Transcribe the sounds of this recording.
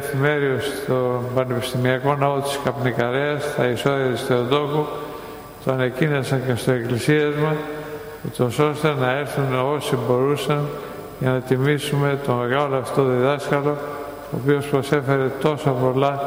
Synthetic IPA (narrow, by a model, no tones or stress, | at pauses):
θime̞ɾiost̪obɐnepi̥st̪imiɐko̞nɐot̪i̥skɐpnikɐɾeɐst̪ɐiso̞ðiɐt̪ist̪eot̪o̞ku | t̪oɐnecinesɐɲce̞st̪oe̞klisiɐzmɐs | ut̪o̞so̞st̪enɐe̞ɾθuno̞sibo̞ɾusɐn | ʝɐnɐt̪imisume̞t̪o̞me̞ɣɐloɐft̪oðiðɐskɐlo̞ | oːpiospɾo̞se̞fe̞ɾe̞t̪o̞sopo̞lɐ